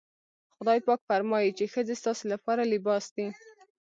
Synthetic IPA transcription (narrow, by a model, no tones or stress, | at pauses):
xʊd̪ɑjpɑkfaɾmɑjit͡ʃexəd͡zest̪ɑselapɑɾalɪbɑsd̪i